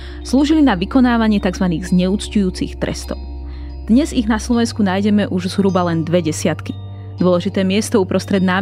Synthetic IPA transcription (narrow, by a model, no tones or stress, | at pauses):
sluːʒilinaʋikɔnaːʋaɲɪɛt̪aɡzʋaniːɣzɲɛut͡scujuːt͡sḭxt̪ɾʔɛ̰st̪ɔ̰ʊ | d̪̥ɲɛziɣnaslɔʋɛnskunaːjɟɛmɛʔuʒzɦɾuːbalɛnd̪ʋɛɟɛsɪat̪ki̥ | d̪ʊɔlɛʒit̪ɛːmɪɛst̪ɔupɾɔst̪ɾɛd̪naː